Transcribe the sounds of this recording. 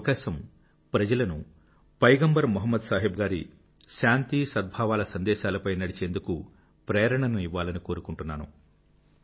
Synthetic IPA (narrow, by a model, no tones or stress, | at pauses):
kaːʃɐm | pɾɐd͡ʒɐlɐnu | pɐjɡɐmbɐɾmuɦɐmːɐd̪saːɦibɡaːɾḭ | ʃaːnt̪isɐd̪̚bʱaːʋaːlɐsɐnd̪ɛːʃaːlɐpɐjnɐɽit͡ʃeːnd̪uku | pɾɛːɾɐɳɐnuiʋːaːlɐniko̞ːɾukuɳʈunːaːnṵ